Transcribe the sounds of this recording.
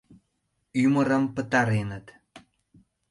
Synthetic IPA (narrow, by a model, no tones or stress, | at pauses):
yməɾəmpət̪ɑɾenət̪